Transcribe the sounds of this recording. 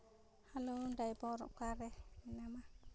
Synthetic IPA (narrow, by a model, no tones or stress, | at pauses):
halundajbɔɾɔ̰kaɾeminama